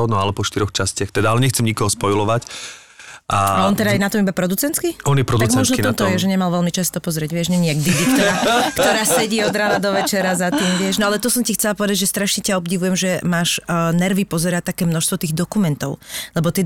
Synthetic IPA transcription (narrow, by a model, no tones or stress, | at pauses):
nɔalɛpɔʃt̪iɾɔxt͡ʃascɪaxt̪ɛd̪aalɛɲɛxt͡sɛmɲikɔɦɔspɔjlɔʋac | ʔaaɔnt̪ɛd̪ajɛnat̪ɔmibapɾɔd̪ut͡sɛnt̪kiɔnjɛpɾɔd̪uɡmɔʒnɔɔmt̪ɔjɛʒɛɲɛmalʋɛlmit͡ʃast̪ɔpɔzɾɪɛɟʋɪɛʒɲɛɲiɛɡ̚d̪id̪ik̚t̪ɔɾaːkt̪ɔɾaːsɛɟiːɔd̪ɾaːnad̪ɔʋɛt͡ʃɛɾazat̪iːmʋɪɛʒnɔalɛt̪ɔsɔmcixt͡sɛlapɔʋɛd̪aɟʒɛst̪ɾaʃɲɛcaɔbɟiʋujɛmʒɛmaːʃnɛɾʋipɔzɛɾat̪akɛːmnɔʃst̪ʋɔt̪iːɣd̪ɔkumɛnt̪ɔʊlɛbɔt̪ɪɛ